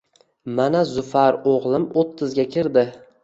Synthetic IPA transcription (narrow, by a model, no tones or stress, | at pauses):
manazʊfaɾoʁlˠɪmot̪ʰːɪzɡʲakʲʰɪɾd̪ɪ